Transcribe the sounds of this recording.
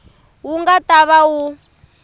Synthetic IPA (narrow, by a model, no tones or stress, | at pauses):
wuŋɡataβawu